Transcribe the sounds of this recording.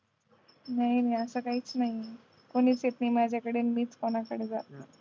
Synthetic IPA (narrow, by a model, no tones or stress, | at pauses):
naɦinaiəsəːkaɦiːt͡snaɦi | koɽ̃iːt͡set̪niːmad͡ʑakəɽiːnmiːt͡skoñakəɽeːd͡zat̪ə